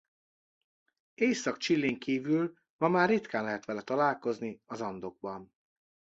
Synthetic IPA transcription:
eːjsɒkt͡ʃilːeːŋkiːvyl | mɒmaːrrːit̪kaːnlɛɦɛt̪ʋɛlɛt̪ɒlaːlko̞zniɒzɒnd̪o̞ɡ̚bɒn

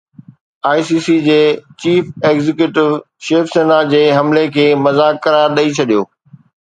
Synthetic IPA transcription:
aːisiːsid͡ʑeːt͡ɕiːfeːɡzɪkjuːʈɪʋ | ʃeːfseːnad͡ʑeːɦɐmlekʰeːmɐzaːkːɐɾaːɾɗɐit͡ɕʰɐɗijoː

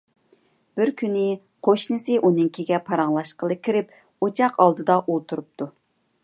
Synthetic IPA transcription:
b̥ɪɾkʲʰynɪ | qʰoʃnɨsɨʔunɨŋkʲʰiɡʲɛpʰɑɾɑŋlˠɑʃqəlˠɨkʲiɾɪp̚ | ot͡ʃʰɑqɑlˠd̪ɨd̪ɑʔolˠt̪ʰuɾup̚t̪ʰu

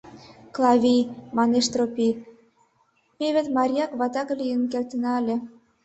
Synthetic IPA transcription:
klˠɑβʲimɑneʃt̪ropi | meβet̪mɑɾʲijɑkβɑt̪ɑkɤlʲijənkelʲt̪ə̆nɑəlʲĕ

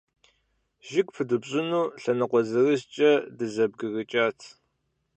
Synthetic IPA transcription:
ʒɪkʷʼpʰɨdɨbɕʼɪnuːɬɐnɨqʷɔzɨrɨzt͡ʃʼɐdɨzɐb̚ɡɨɣɨt͡ʃʼaːtʰ

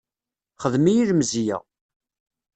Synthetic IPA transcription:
χəðmijiləmzijæ̰

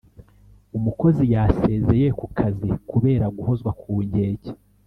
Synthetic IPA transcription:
umuko̞zijaːse̞ːze̞je̞kukʰazikuβe̞ːɾaɡuho̞zɡwakʰuːɲɟe̞ːɟe̥

